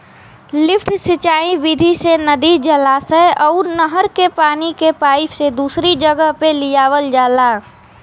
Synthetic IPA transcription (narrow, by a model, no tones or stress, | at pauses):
lɪpʰʈsɪt͡ʃaːĩʋɪd̪ʱisenəd̪id͡ʒəlaːsəɔːɾnəɦəɾkepaːnikepaːifsed̪uːsɾid͡ʒəɡəɦpelɪjaːʋəld͡ʒaːlaː